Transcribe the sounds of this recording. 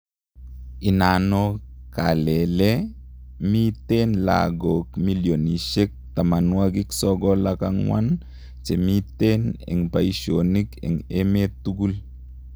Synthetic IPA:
inanɔkalɛle | mitenla̰ɡokmiljoniʃek̚t̪amanwaɡɪksɔɡɔlakaŋwan | t͡ʃemitenɛ̰ŋpaiʃonikɛ̰ŋemetuɡul

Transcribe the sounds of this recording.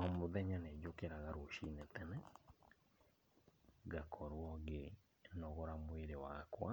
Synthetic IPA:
ɔmoðɛɲaned͡ʒokeɾaɣaɾoʃinet̪ɛnɛ | ɣakʰɔɾwɔɡe | nɔɣɔɾamweɾewakwa

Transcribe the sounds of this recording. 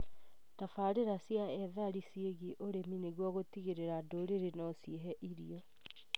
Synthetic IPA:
tafaɾeɾasijaɛðaɾisieɣiʔoɾemineɣwɔɣotiɣeɾeɾadoɾeɾenɔsieɦɛʔiɾiɔ

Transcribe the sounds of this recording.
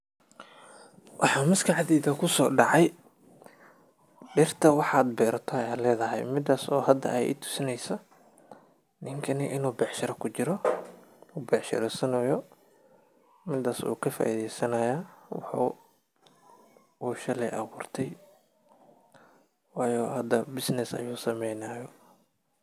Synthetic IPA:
wʔɑħaːmɪskʰɐʕɑðiːðɐkʰʊsɔːɖɑʕɑj | ɖɪrt̪ʰɐwɑħaːd̪̚bɛːɾɐt̪ʰɔɐjaːlɛːðɐɦɛ̰jmɪd̪aːsɔːhɐd̪ɐ̰ɛjʔɪ̰t̪ʰʊ̥sɪnɛjsɐ | nɪŋkʰɐnɪʔɪnuːbɛːħʃɐɾɐkʰʊt͡ʃɪɾɔ | ubɛːħʃɪ̰ɾɛsɐnɐjɔ | mɪd̪aːsṵːkʰɐfa̰ːʔiðɛjsɐnɐjaːwɑ̰ħṵː | uːʃɐlɛjʔɐ̰ɣuːrt̪ʰɛj | wɑːjɔːhɐd̪ɐbɪsnɪsɐ̰juːsɐmɛjnaːjɔ

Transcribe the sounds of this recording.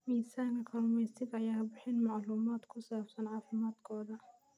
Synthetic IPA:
miːsaːnɪqɑmɛsɪdajaːhbɪħɪnmɑʕluːmaːt̪kʰʊsaːfsɐnʕɑːfɪmaːd̪kʰɔːðɐ

